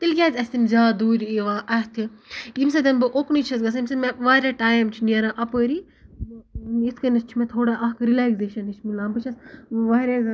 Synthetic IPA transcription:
t̪ilkʲaːzʲɐsʲt̪imzaːd̪uːɾʲiʋãːʔɐst̪ʰijimsɐd̪ɐnbɨʔoːknit͡ʃʰɐsɡɐsimsɐmeʋaːɾʲaːʈaːjmt͡ʃʰiniɐɾãːʔɐpəːɾi | it̪ʰkɐnɐst͡ʃʰimẽt̪ʰoːɽaːʔɐkɾilaːkzeːʃɐnit͡ʃʰmilãːmbɨt͡ʃʰɐsʋaːɾʲaz

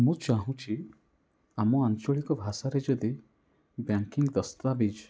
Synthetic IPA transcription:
mũt͡ʃaɦũt͡ʃʰi | amɔant͡ʃɔɭikɔbʱasaɾed͡ʒɔd̪i | bjaŋkiŋɡd̪əst̪abid͡ʒ

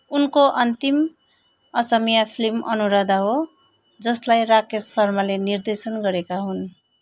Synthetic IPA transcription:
unkoʔʌnt̪im | ʌsʌmijapʰilimʌ̰nuɾʌd̪aɦo | d͡zʌslajrakesːʌrmalenird̪esʌnɡʌɾekaɦun

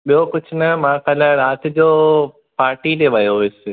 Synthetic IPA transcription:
ɓijokʊt͡ʃʰnɐmãːkəlaɾaːt̪ʰd͡ʑoː | paːɾʈileʋajoʋɪse

